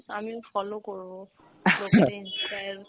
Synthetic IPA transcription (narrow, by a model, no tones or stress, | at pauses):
samifɔlokoɹuɔ | loinsaj